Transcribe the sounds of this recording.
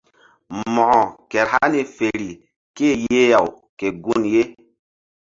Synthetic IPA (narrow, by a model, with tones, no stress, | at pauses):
mɔ˨ʔɔ˨kɛ˨ɾ̚ha˦ne˨fe˨ɾi˨ | ke˦˨je˦ja˨w | ke˨ɡu˦˨nje˦